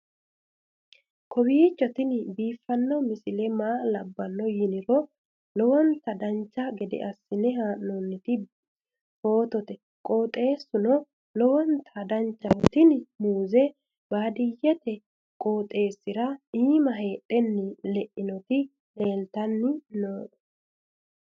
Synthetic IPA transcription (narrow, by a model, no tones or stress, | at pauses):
kʰɔbiːt͡ʃːɔt̪ɪnbiːfːɐnːɔmɪsɪlɛmaːlɐbːɐnːɔjɪnɪɾɔ | lɔwɔnt̪ɐd̪ɐnt͡ʃːɐɡɛd̪ɛ̰ʔɐsːɪnɛhaːʔnɔnːɪt̪ɪ | ho̞ːt̪ɔt̪ɛ | kʼo̞ːt̪ʼe̞ːsːʊnɔ | lɔwɔnt̪ʰɐd̪ɐnt͡ʃːɐt̪ɪnmuːzɛ | b̥aːd̪ɪjːɛt̪ɛ | kʼo̞ːt̪ʼe̞ːsːɪɾɐʔiːmɐɦe̞ːᶑɛnːɪlɛʔɪnɔt̪ɪ | le̞ːlt̪ɐnːɪnoːᶑɔ̥